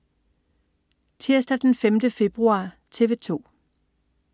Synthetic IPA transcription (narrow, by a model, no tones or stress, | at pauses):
t͡sʰiɐsd̥æd̥enfemd̥əfe̝b̥ʁuɑ̈ | t͡sʰe̝ʋe̝t͡sʰo̝̰ː